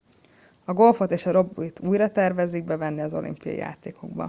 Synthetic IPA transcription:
ɒɡo̞lfo̞t̪eːʃɒɾo̞bːuit̪ʰuːjɾɒt̪ɛrvɛziɡ̚bɛvɛnːiɒzo̞̰lḭmpijɒ̰jḭja̰ːt̪eːkʰo̞̰ɡbɒ̰

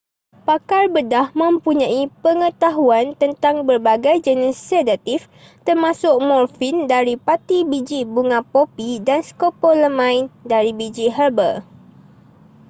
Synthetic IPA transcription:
pakarbədahmə̃mpuɲãipəŋə̃t̪aɦuant̪ənt̪aŋbərbaɡajd͡ʒənisːedat̪if | t̪ərmãsʊk̚mɔrfindaɾipat̪ibid͡ʒibuŋãpopidanskopɔləmãɪndaɾibid͡ʒiɦərbər

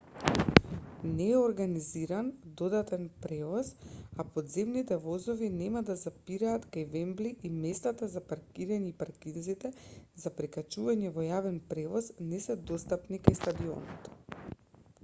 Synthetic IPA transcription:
nɛːoɾɡaniziɾand̪od̪at̪ɛnpɾɛvɔsapoɔd̪zɛmnit̪ɛvɔzɔvinɛmad̪azapiɾaːt̪kajvɛmbliʔimɛst̪at̪azapaɾkiɾaɲɛipaɾkinzit̪ɛzapɾɛkat͡ʃuvaɲɛvɔjavɛnpɾɛvɔznɛsɛd̪ost̪apnikajst̪ad̪io̰nɔt̪

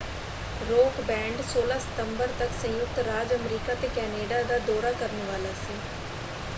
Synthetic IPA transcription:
ɾoːkbɛ̃ːɳɖsoːlaːsə̥t̪əmbəɾt̪əksə̃jʊk̚t̪ɾaːd͡ʒəmɾiːkaːt̪eːkɛːneːɖaːd̪aːd̪ɔːɾaːkəɾnʋaːlaːsiː

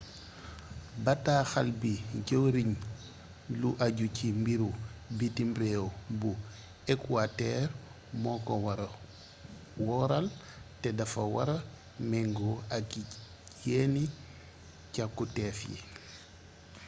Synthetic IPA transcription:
bataːxalbiɟowɾiɲ | luʔaɟucimbiɾubitimbɾewbu | ekuatɛɾ | mɔkɔwɾ | wɔɾal | tɛdafawa̰ɾa | mɛŋɡɔaki | jeni | cakːutɛfjḭ

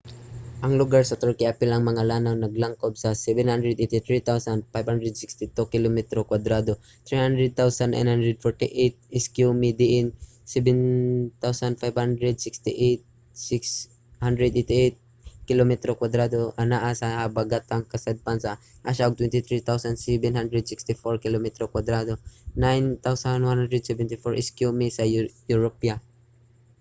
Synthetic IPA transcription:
ʔɐŋlʊɡaɹsɐt̪əɹkiapɪlɐŋmɐŋalanawnɐɡlaŋkob̚sasɛvɛnhand̪ɾɛd̪et̪ɪt̪ɾit̪awsand̪̚fajbhand̪ɾɛd̪sɪkst̪ɪt̪ukɪlomɛt̪ɾokwad̪ɾad̪o | t̪ɾihand̪ɾɛd̪̚t̪awsana̰jnhand̪ɾɛd̪̚fɔɹt̪ɪʔet̪̚ɪskjumid̪ɪʔɪn | sɛbɛnt̪awsand̪fajbhand̪ɾɛd̪sɪkst̪ɪʔet̪̚ | sɪks | hand̪ɾɛd̪et̪iʔejt̪̚ | kilomɛt̪ɾokwad̪ɾad̪oʔanaʔasabaɡat̪aŋkasad̪̚pansa | ʔaʃaoɡ̚t̪wɛnt̪ɪt̪ɾit̪awsansɛbɛnɦand̪ɾɛd̪sɪkst̪ɪfoɹkilomɛt̪ɾokwad̪ɾad̪onajnt̪awsanwanhand̪ɾɛd̪sɛvɛnt̪ɪfɔɹʔɪskjumisajuɹopja

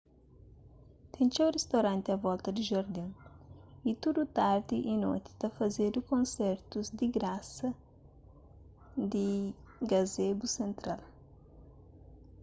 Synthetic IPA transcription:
t̪ẽnt͡ʃẽwrest̪awɾɐ̃nt̪ɪɐvɔlt̪ɐd̪ɪʒaɾd̪ɐ̃w̃ | it̪ud̪ut̪aɾd̪ɪʔino̰jt̪ɪ̥t̪ɐfɐzed̪ʊkõnsɛɾt̪uzd̪ɪɡɾasɐ | d̪ɪ | ɡazebusẽnt̪ɾal

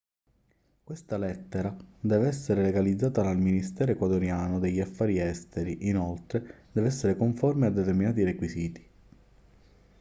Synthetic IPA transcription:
kwest̪alɛt̪ːeɾad̪ɛːveɛsːeɾeleɡalid̪zːaːt̪alalminist̪ɛːɾekwat̪oɾjaːnod̪eʎːafːaːɾiɛst̪eɾiʔinolt̪ɾed̪ɛːveɛsːeɾekoɱformead̪ːet̪eɾminaːt̪̬iɾekwisiːt̪i̥

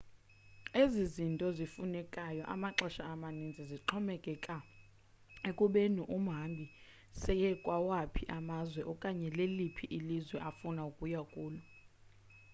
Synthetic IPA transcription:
ezizintʼɔzifunɛkʼajɔʔa̰maǁɔʃaːmanind͡zʱiziǁʰɔmɛkʼɛkʼa | ekʼuɓenuʔum̩ɦambʱi | sɛjɛkʼwawapʰiʔamazwɛʔɔkʼaɲɛlelipʰiʔilizwɛʔafunaukʼujakʼuːlu

